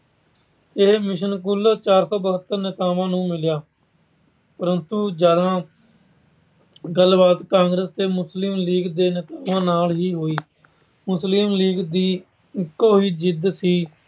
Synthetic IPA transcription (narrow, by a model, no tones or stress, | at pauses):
ɪɦmɪʃənkʊlt͡ʃaːɾsɔːbəɦət̪ːəɾnɪt̪aːʋãːnũːmɪljaː | pəɾənt̪uːd͡ʒaːd̪ãː | ɡəlbaːt̪kãːŋɡɾəst̪eːmʊslɪmliːɡd̪eːnɪt̪aːʋãːnaːlɦiːɦoːiː | mʊslɪmliːɡd̪iː | ɪkːoːɦiːd͡ʒɪd̪siː